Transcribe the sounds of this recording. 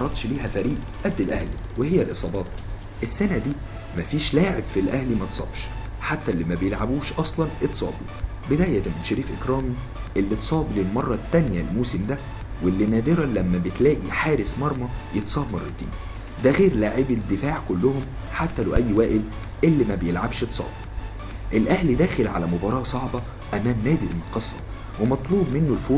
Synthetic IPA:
ɑɾˤːɑd̪ˤʃliːɦæfæɾiːʔ | ʔæd̪ːelʔæhliwehejːælʔesˤɑːbɑːt̪̚ˤ | ʔesːænæd̪iː | mæfiːʃlaːʕebfilʔæhlimæt̪sˤɑ̰ːbʃ | ħat̪ːælːimæbejelʕabuːʃʔɑsˤlɑnʔet̪ːsˤɑ̰ːbḭ | bed̪æːʔjæt̪æmet̪ʃeɾiːfʔekɾɑːmi | ʔelːit̪sˤɑːbilelmɑrˤːɑt̪ːænjælmuːsemd̪æ | welːinæːd̪eɾælæmːæbet̪læːʔiħaːɾesmɑɾˤmɑjet̪sˤɑːbmɑrˤːɑ̰t̪ḭːn | d̪æɣeːɾlaːʕebed̪ːefaːʕkolːʊhom | ħat̪ːælæwʔæjːwæːʔɪl | ʔelːimæbejelʕabʃet̪sˤɑ̰ːbi | ʔelʔæhlid̪æːxelʕa̰læmobɑːɾˤɑːsˤɑʕbɑ | ʔæmːæːmnæːd̪ilmoqɑsˤːɑ | wemɑt̪ˤluːbmenːolfoː

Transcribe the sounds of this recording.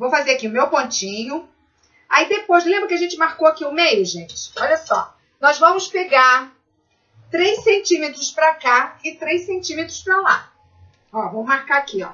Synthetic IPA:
vowfazeɾakiʊmewpõnt͡ʃĩɲʊ | a̰id̪epojzlẽmbɾʊkɪaʒẽnt͡ʃɪmaɾkowakiʊmejʊʒẽjt͡ʃɪ̥ɔʎɐsɔ̰ | nɔzvɐ̃mʊspeɡaɾ | t̪ɾejsẽnt͡ʃĩmet̪ɾʊspɾakaɪt̪ɾejsẽnt͡ʃĩmet̪ɾʊspɾala | ɔvɐ̃mʊmaɾkaakiɔ̰

